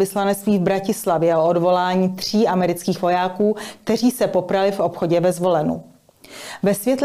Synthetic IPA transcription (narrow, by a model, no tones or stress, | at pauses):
ɪslanɛt͡st̪viːvbɾacɪslavjɛoodvo̞laːɲiːt̪r̝̥iːʔamɛɾɪt͡skiːxvo̞jaːkuːk̚t̪ɛriːsɛpo̞pɾalɪfʔopxo̞ɟɛvɛzvo̞lɛnṵ | vɛsvjɛt̪